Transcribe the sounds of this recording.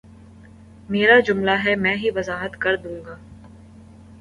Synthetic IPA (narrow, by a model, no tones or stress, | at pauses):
meːɾad͡ʒʊmlaɦɛmɛ̃ːɦiʋɐzaːɦət̪kɐɾd̪ũːŋɡaː